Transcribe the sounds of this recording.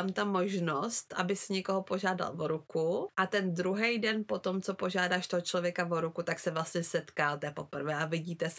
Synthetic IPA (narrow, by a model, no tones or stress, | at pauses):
amt̪amo̞ʒnost̪ʔa̰bɪsɪɲɛko̞ɦopo̞ʒaːda̰lvoɾukuʔat̪ɛnd̪ɾuɦɛjdɛnpo̞t̪o̞mt͡so̞po̞ʒaːdaːʃt̪oɦot͡ʃlo̞vjɛkavoɾukut̪aksɛvlast̪ɲɛsɛt̪kaːlt̪ɛpo̞pr̩vɛːʔavɪɟiːt̪ɛs